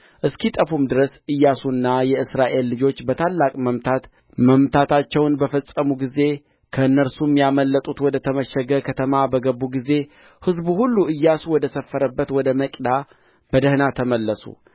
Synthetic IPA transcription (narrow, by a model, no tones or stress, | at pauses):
ʔɨskit̪ʼəfumd̪ɨɾəsʔɨjːasunːajɛɨsɾaʔe̞lːɨd͡ʒo̞t͡ʃːbət̪ʰalːakʼməmt̪ʰat̪ | məmt̪ʰat̪ʰat͡ʃːɛwnbəfəsʼəmuɡize̞ | kʰəɨnːəɾsumjaməlːət̪ʼut̪wɔd̪ət̪ʰəməʃəɡəkʰət̪ʰəmabəɡəbːuɡize̞ | hɨzbuhulːuʔɨjːasuwɔd̪əsəfːəɾəbːət̪wɔd̪əməkʼd̪a | b̥əd̪əhnat̪ʰəməlːəsṵ